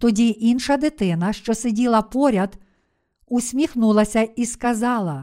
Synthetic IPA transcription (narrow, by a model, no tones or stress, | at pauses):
t̪ɔdʲiʔinʃɐd̪ɪt̪ɪnɐʃt͡ʃɔsedʲilˠɐpɔɾʲɐd̪ | usʲmʲixnulˠɐsʲɐiskɐzɑlˠɐ